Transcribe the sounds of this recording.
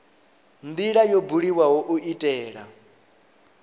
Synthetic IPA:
nd̪iɺajobuɺiwaɦoʔuitʼɛːɺa

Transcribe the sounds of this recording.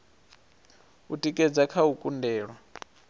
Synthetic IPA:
utʼikʼɛd͡zakʰaukʼundɛːɺwa

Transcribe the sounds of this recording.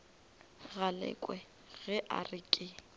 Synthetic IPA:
ɣalɛ̰kʼwɛ | ɣɛʔa̰rɪkʼɪ

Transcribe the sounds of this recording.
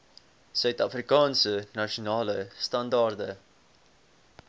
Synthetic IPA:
sœɥtɐfrikɑːnsənɐʃunɑːləstɐndɑːrdə

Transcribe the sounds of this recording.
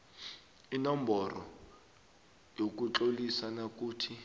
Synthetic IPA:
inɔmbʱɔrɔ̰ | jok̬ut͡ɬolisanak̬ʼuːtʰi

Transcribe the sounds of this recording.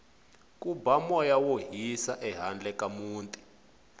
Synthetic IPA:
kʼubamɔjawoɦisaʔɛɦand͡ɮɛkamuːntʼi̥

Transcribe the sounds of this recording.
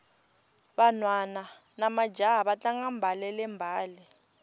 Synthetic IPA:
βanwananamad͡ʒaɦaβat͡ɬʼaŋɡambʱalɛlɛmbʱaːlɛ

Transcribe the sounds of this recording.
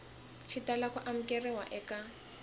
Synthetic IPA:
t͡ʃʰitalakʰɔʔam̩kʼɛrɛwaʔɛka

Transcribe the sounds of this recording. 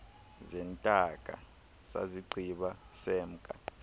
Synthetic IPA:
zɛntʼakʼa̰ | sa̰ziǃʱiɓasɛːm̩kʼa

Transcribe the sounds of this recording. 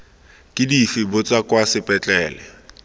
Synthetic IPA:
kʼɪdifɪbʊt͡sʼakwasɪpʼɛt͡ɬʼɛːlɛ

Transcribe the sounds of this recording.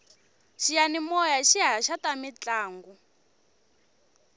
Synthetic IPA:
ʃijanimɔjaʃiɦaʃatamit͡ɬaːŋɡu

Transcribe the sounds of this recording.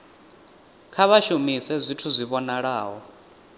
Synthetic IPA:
kʰaβaʃumisɛzʷitʰuzʷiβɔnaɺaːɦɔ

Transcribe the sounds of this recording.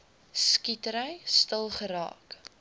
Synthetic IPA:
skitəɾəjstəlˠχəɾɑ̰ːk

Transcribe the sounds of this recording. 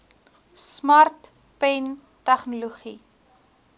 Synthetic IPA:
smɐrt | pɛn | tæχnuloχi

